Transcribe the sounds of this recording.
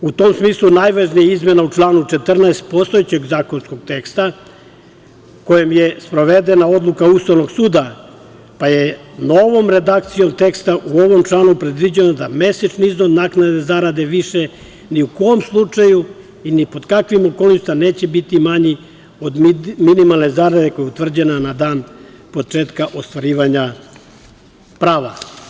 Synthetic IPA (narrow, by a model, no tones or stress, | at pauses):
ut̪oːmsmiːslˠunajʋaʒnijaizme̞naut͡ʃlˠaːnut͡ʃe̞t̪r̩naest̪̚po̞st̪o̞jet͡ɕe̞ɡzaːko̞nsko̞ɡ̚t̪e̞kst̪a | ko̞jemjespɾo̞ʋed̪enao̞d̪lˠukaust̪aʋno̞ɡsuːd̪a | pajenoʋo̞mɾe̞d̪ak̚t̪sijo̞mt̪e̞kst̪aʔuoʋo̞mt͡ʃlˠaːnupɾed̪ʋid͡ʑenod̪ame̞set͡ʃniiznod̪naknad̪ezaɾad̪e̞ʋiʃe̞ | niuko̞jomslˠut͡ʂaju | inipo̞d̪kakʋimokolniʃt̪aneːt͡ɕebit̪imaɲi | o̞d̪minimalˠne̞zaɾad̪e̞kojeut̪ʋr̩d͡ʑenanad̪aːn | po̞t͡ʂeːt̪kaʔo̞st̪ʋaɾiːʋaɲa | pɾaːʋa